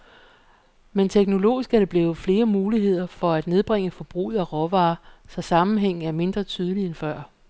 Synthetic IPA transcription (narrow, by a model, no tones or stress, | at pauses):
ment͡sʰeɡ̥no̝lo̝̰ːisɡ̥æɐɾ̥e̝b̥le̝ːʊð̩ˠfle̝ːɐmuːliɦe̝ð̞̰ˠɐfɒ̽æd̥ne̝ð̞ˠb̥ʁeŋ̰əfɒ̽b̥ʁṵðˠæʁɒʋɑ̈ːsɒ̽sɑ̈mn̩ɦeŋ̰n̩æɐme̝nd̥ʁɐt͡sʰyːð̞ˠəlienfɶɐ̰